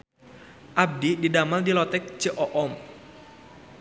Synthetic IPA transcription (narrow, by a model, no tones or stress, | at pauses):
ʔab̚dididamaldilɔt̪ɛk̚t͡ʃəʔɔʔɔm